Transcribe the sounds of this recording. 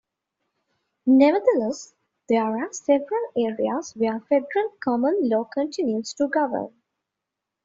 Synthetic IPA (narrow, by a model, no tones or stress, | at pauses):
nɛʋəd̪əlɛs | d̪̥eːɾasɛʋəɾəleːɾiazʋeɾfeɖəɾəlkʰɔmə̃nlɔːkə̃ɳʈɪ̃njusʈuɡʌʋə̰ɾn